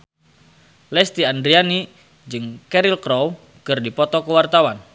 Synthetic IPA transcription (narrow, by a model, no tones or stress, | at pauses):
lɛst̪iandɾiani | d͡ʒɨŋkɛɾilkɾɔw | kɨrdipɔt̪ɔkəwart̪awan